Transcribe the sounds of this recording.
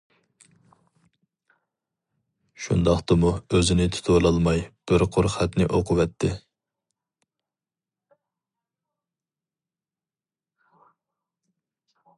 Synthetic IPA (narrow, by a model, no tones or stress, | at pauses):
ʃṵnd̪ɑχt̪ɨmuøzɪnɪt̪ʰu̥t̪ʰolˠɑlˠmɑjb̥ɪɾqʰoɾχæt̪nɪʔoqʰʊvɛt̪ʰːɪ